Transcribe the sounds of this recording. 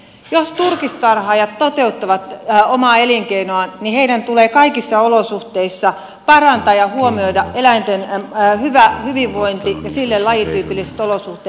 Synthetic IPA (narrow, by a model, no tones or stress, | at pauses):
jost̪urkist̪ɑrhɑːjɑt̪t̪ot̪eut̪ːɑʋɑt̪omɑːeliŋkeinoɑniheidænt̪uleːkɑikisːɑolosuht̪eisːɑ | pɑrɑnt̪ɑːjɑhuomioidɑelæint̪enhyʋæhyʋiʋːoint̪ijɑsilːellɑjit̪yːpilːise̥t̪olosuht̪ˑeː